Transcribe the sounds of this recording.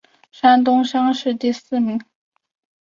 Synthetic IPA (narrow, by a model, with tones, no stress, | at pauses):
ʂa˥nt̪ʊ˥ŋʂɑ˥ŋʂɻ̩˥˧t̪i˥˧sɹ̩˥˩mi˧˥ŋ